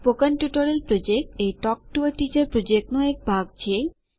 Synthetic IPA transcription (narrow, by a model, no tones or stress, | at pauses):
pokanpjuʈoɾelpɾod͡ʑek̚ʈejʈɔk̚ʈueʈit͡ɕaɾpɾod͡ʑek̚ʈnɔek̚bʱaɡ̚t͡ɕʰie